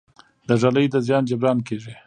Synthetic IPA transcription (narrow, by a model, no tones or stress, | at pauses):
d̪əʐaləjd̪əzjɑnd͡ʒabɾɑnkeʐi